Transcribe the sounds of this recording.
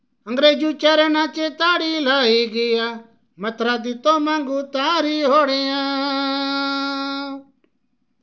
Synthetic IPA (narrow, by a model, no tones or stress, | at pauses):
ə̃ŋɡɾeːd͡ʒuːt͡ʃɛːɾɛːnãːt͡ʃet̪aːɽilaːiːɡɪjaː | mət̪ɾaːd̪it̪omãːŋɡuːt̪ãːɾiɦoːɽijãː